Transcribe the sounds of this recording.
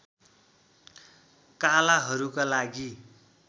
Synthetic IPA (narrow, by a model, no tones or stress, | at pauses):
kalaɦʌɾukalaɡi